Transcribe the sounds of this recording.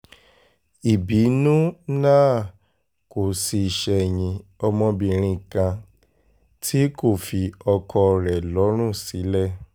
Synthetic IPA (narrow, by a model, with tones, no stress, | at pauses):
i˨bi˨˦nũ˦nãː˦˨ | ko˨si˧˨ʃɛ˧˨ɲĩ˧ɔ˧mɔ̃˧bĩ˨ɾ̃ĩ˧˨kã˧ | tʰi˦ko˦˨fi˨ɔ˧kʰɔ˧ɾɛ˨lɔ˨˦ɾ̃ũ˦˨si˨˦lɛ˦˨